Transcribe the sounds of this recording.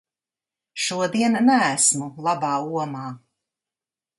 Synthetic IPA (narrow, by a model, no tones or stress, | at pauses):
ʃuɔd̪iɛnnæːsmulˠabaːuɔmaː